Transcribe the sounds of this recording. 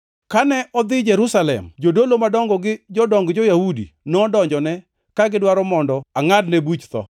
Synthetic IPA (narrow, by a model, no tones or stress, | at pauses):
kanɛʔɔd̪ɪd͡ʒɛɾusalɛ̰md͡ʒodolomadɔŋɡɔɡɪd͡ʒɔdɔŋɡd͡ʒojahudḭnɔdɔɲd͡ʒɔnɛ | kaɡɪdwaɾɔmɔndɔaŋadnebut͡ʃt̪ɔ̰